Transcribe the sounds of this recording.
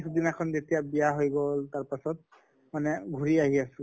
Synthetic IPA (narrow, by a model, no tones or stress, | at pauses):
sʰudinakʰɔnzetijabijaɦojɡɔltaɹpasɔt̚ | manɛɡʱuɹiaɦiasʊ